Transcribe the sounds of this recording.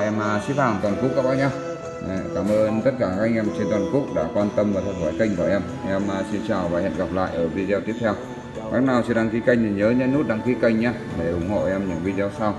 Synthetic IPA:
ʔɛ˧m˨˩sḭ˧˥faː˧˩ŋt̪waː˨˩nku˦˥ək̚a˦˥ɓaː˧ɲa˧˩˨ | kaː˧˩mʔəː˧nt̪ə˦˥t̚kaː˧˩ɣa˧˥jŋʔɛ˧mt͡ɕe˧nt̪waː˨˩nku˦˥ək̚ɗa̰ː˧˥kwaː˧nt̪ə˧mvaː˨˩t̪ʰə˨˩t̚xʰwɔː˧˩jka˧jŋ̟ka˧˩ʔɛ˧m | ʔɛ˧m˨˩si˧nt͡ɕaː˨˩wvaː˨˩hɛ̰˧˨nɣa˨˩p̚la̰ː˧˨jʔəː˧˩vi˧zɛ˧t̪i˦˥əp̪̚ʰɛ˧w | ma˦˥k̚naː˨˩wt͡ɕi˧˩nɗa˧ŋki˧ka˧jŋ̟ɗi˨˩ɲəː˨˦ɲə˧˥nu˦˥t̚ɗa˧ŋki˧ka˧˩jŋ̟ɲaː˧ɗe˧˩hʊ˨˧˩ŋ͡mho̰˧˨ʔɛ˧mɲɨ̰˧˥ŋvi˧zɔ˧sa˧w

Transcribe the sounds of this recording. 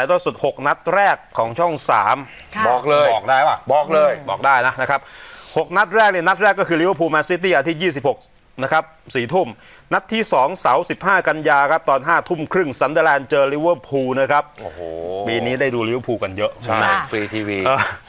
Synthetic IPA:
a˧jt̪ɔː˧˩su˨˩t̪̚ho˨˩k̚na˦˥t̪̚ɾɛː˥˩kʰːɔː˩˦ŋt͡ɕʰɔ˥˩ŋsa̰ː˩˦m | bɔː˨˩k̚lɤː˧jɔː˨˩k̚daː˥˩jwa˧˩bɔː˨˩k̚lɤː˧jbɔ̰ː˨˩k̚daː˥˩jna˦˥na˦˥kʰa˦˥p̚ho˨˩k̚na˦˥t̪̚ɾɛː˥˩k̚ni˥˩na˦˥t̪̚ɾɛː˥˩kːɔ˥˩kʰɯː˧li˦˥wə˥˩pʰuː˧mɛː˧nsi˦˥t̪̬iː˥˩ʔaː˧t̪ʰi˦˥˩jiː˥˩s̬i˨˩p̚ho˨˩k̚ | na˦˥kʰa˦˥p̚siː˩˦t̪ʰu˥˩m | na˦˥t̪ʰːiː˥˩sɔː˩˦ŋsa˩˦wsi˨˩p̚haː˥˩ka˧njaː˧kʰa˦˥p̚t̪ɔː˧nɦaː˥˩t̪ʰu˥˩mkʰɾɯ˥˩ŋsa˧˦˥ndəː˧lɛː˧nt͡ɕɤː˧li˦˥wəː˥˩pʰuː˧na˦˥kʰa˦˥p̚o˨hbiː˧niː˦˥da˥˩jduː˧li˦˥wpʰuː˧ka˧njɤ˦˥ʔʰa˥˩a˥˩fiː˧t̪ʰiː˧wiː˧ʔəː˧˩

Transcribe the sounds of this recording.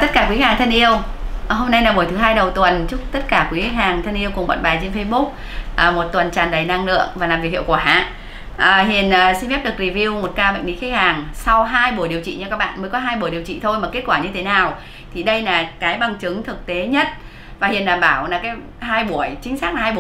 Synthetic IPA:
t̪ə˦˥t̚kaː˧˩kwi˨˦haː˨˩ŋt̪ʰnʔi˧əwho˧mna˧jlaː˨˩ɓu˧˩əjt̪ʰɦaː˧jɗə˨˩wt̪wə˨˩nt͡ɕʊ˦˥k͡p̚t̪ə˦˥t̚kaː˧˩kwi˨˦˥haː˨˩ŋt̪ʰə˧nʔi˧əwkʊ˨˩ŋ͡mɓa̰ː˧˨nɓaː˨˩jt͡ɕe˧nfe˧jɓʊ˦˥k͡p̚ | ʔəː˨˩mo˨˩t̚t̪wə˨˩nt͡ɕaː˨˩nɗə˨˩jna˧ŋlɨ̰˧˨əŋvaː˨˩laː˨˩mvi˨˩khḭ˧˨wkwaː˧˩ha̰ː˧˨ | ʔəː˨˩ɦḭ˨˩ənː˨˩si˧nfɛ˦˥p̚ɗɨ˨˩k̚ɾi˨˩vi˧əwmo˨˩t̚kaː˧ma̰˧˨ŋli˨˦ki˦˥k̚haː˨˩ŋsa˧wɦaː˧jɓu˧˩əjɗi˨˩əwt͡ɕḭ˧˨ɲa˧kaː˦˥k̚ɓa̰ː˧˨nmə˨˦jkɔ˨˦ɦaː˧jɓu˧˩əjɗi˨˩əwt͡ɕḭ˧˨t̪ʰo˧jmaː˨˩ke˦˥t̚kwaː˧˩ɲɨ˧t̪ʰe˨˦naː˨˩w | t̪ʰi˨˩ɗə˧jlaː˨˩kaː˨˦jɓa˨˩ŋt͡ɕɨ˨˦ŋt̪ʰɨ˨˩k̚t̪e˨˦ɲə˦˥t̚ | vaː˨˩hi˨˩ənɗaː˨˩mɓaː˧˩wlaː˨˩kaː˨˦j | ɦaː˧jɓu˧˩əjt͡ɕï˨˦ŋ̟saː˦˥k̚laː˨˩haː˧jɓ

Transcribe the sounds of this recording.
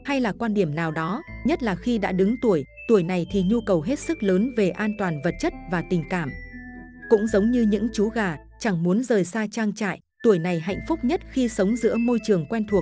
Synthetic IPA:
ha˧jlaː˨˩kwaː˧nɗi˧˩əmnaː˨˩wɗɔ˨˦ɲə˦˥t̚laː˨˩xi˧ɗa̰ː˧˥ɗɨ˨˦ŋt̪u˧˩əj | t̪u˧˩əjna˨˩jt̪ʰi˨˩ɲu˧kə˨˩wɦe˦˥t̚sɨ˦˥k̚ləː˨˦nve˨˩ʔaː˧nt̪waː˨˩nvə˨˩t̚t͡ɕə˦˥t̚vaː˨˩t̪ï˨˩ŋ̟kaː˧˩m | kʊ̰˧˥ŋ͡mzə˨˦wŋ͡mɲɨ˧ɲɨ̰˧˥ŋt͡ɕu˨˦ɣaː˨˩ | t͡ɕa˧˩ŋmu˨˦ənzəː˨˩jsaː˧t͡ɕaː˧ŋt͡ɕa̰ː˧˨jʔ | t̪u˧˩əjna˨˩jɦa̰˧˨jŋ̟fʊ˦˥k͡p̚ɲə˦˥t̚xi˧sə˨˦wŋ͡mzɨ̰˧˥əmo˧jt͡ɕɨ˨˩əŋkwɛ˧nt̪ʰu˨˩ək̚

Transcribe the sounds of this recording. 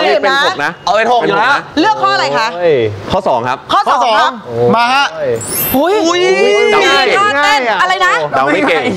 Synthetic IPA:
i˥˩pe˧nː˧o˨k̚na˦˥ʔa˧wpe˧jt̪ʰo˨˩˧lɯ˥˩əkʰːɔː˥˩a˧ɾa˧jkʰa˦˥ʔkʰɔː˥˩sɔː˩˦ŋkʰa˦˥p̚kʰɔː˥˩sɔː˦˩sɔː˨˦ŋkʰa˦˥maː˧ka˦˥ʔu˦˥ju˦˥ja˧˥ɔ˥˩ɛ˧˩a˧ɾa˧jna˦˥da˧˩wma˥˩keː˧˩

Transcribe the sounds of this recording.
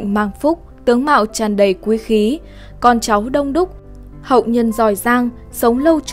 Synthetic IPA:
ŋ̟maː˨˩ŋfʊ˦˥k͡p̚t̪ɨ˨˦əŋma̰ː˧˨wt͡ɕaː˨˩nɗə˨˩jkwi˨˦xi˨˦ | kɔ˨˩nt͡ɕa˨˦wɗə˧wŋ͡mɗʊ˦˥k͡p̚ | hə̰˧˨wɲə˨˩nzɔ˨˧˩jzaː˧ŋ | sə˨˦wŋ͡mlə˧wt͡ɕ

